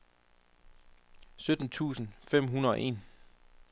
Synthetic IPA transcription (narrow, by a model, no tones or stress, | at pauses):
sød̥n̩t͡sʰṵːsn̩fem̰ɦunɐðˠɒ̽ʔe̝̰ːn